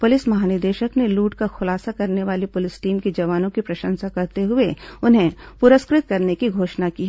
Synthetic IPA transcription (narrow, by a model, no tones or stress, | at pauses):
pʊlɪsmɐɦaːnɪɾd̪eːʃəkneluːʈkaxʊlaːsakɐɾneʋaːlipʊlɪsʈiːmked͡ʒɐʋaːnõkipɾɐʃə̃nsakɐɾt̪eɦʊeʊnɦẽpʊɾəskɾɪt̪̚kɐɾnekiɡʱoːʃnaki